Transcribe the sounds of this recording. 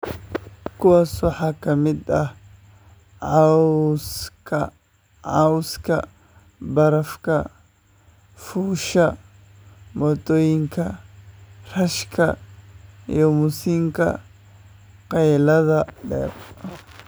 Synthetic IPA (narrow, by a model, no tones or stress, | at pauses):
kʰʊwɑːswɑħɑːkʰɐmɪd̪ɐh | ʕɑwskʰɐ | ʕɑwskʰɐ̰ | bɐɾɐfkʰɐ | fuːʃɐ | mɔːd̪ɔːjɪŋkʰɐ | r̥ɐʃkʰɐ̰ | ijɔmʊsiːŋkʰɐ̰ | qɑjlɐðɐɖɛ̰ːr